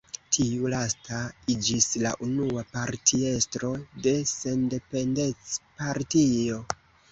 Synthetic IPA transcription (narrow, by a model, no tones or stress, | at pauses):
tʰiulastaid͡ʒisla̰ʔunuapaɾtʰie̞stɾo̞de̞se̞nde̞pe̞nde̞t͡spaɾtio̞